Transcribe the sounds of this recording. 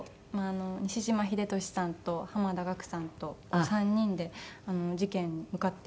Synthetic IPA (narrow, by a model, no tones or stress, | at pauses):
maːno̞ɲ̟iɕiʑimaçid̪e̞t̪o̞ɕi̥sãnt̪o̞hamad̪aɡakɯ̟̥sãnt̪o̞kosãɲ̟ːĩnd̪e̞ano̞d͡ʑikẽ̞ɲːimɯ̟kat̪ːe